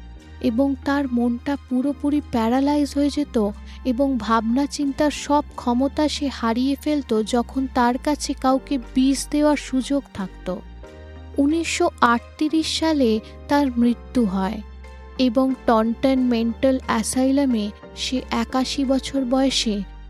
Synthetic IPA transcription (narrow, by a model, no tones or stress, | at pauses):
eboŋt̪aɾmonʈapuɾopuɾipɛɾalaizɦoed͡ʑet̪o | eboŋbʱabnat͡ɕint̪aɾʃɔb̚kʰɔmot̪aʃehaɾijefelt̪od͡ʑɔkʰont̪aɾkat͡ɕʰekawkebisd̪eoaɾʃud͡ʑoɡt̪ʰakt̪o̰ | uniʃːoaʈ̚t̪iɾiʃːale | t̪aɾmɾit̪ːuɦɔe | eboŋʈɔɳʈenmeɳʈalɛsajlame | ʃeʔɛkaʃibɔt͡ɕʰoɾbɔeeʃe